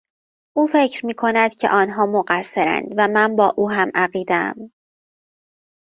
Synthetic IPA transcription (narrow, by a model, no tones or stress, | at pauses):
ʔuːfe̞cʰɾmiːkʰo̞næd̪̥cʰe̞̰ʔɒːnɦɒːmoɢæsːe̞ɾæ̰nd̪væmænbɒːʔuːɦæmʔæɢiːd̪eæ̰m